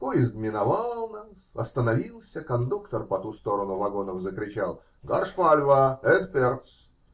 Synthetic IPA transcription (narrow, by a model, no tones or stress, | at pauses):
pojɪst̪mʲɪnɐvalˠlˠnasɐ̰st̪ənɐvʲilˠsʲəkɐnd̪ukt̪ərpɐt̪ust̪o̞ɾənʊvɐɡo̞nəvzəkɾʲɪt͡ɕalˠ | ɡɐrʂfalʲvəɛd̪pʲert̪s